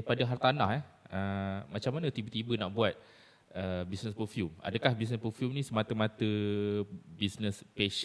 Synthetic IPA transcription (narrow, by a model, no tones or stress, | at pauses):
aipadaɦart̪anahɛʔəmat͡ʃamːanət̪ibət̪ibənaʔbuat̪̚ | əbisnəspəfjuma̰dəkahbis̬nəspəfjumnĩsəmat̪əmat̪ə | bisnəspeʃ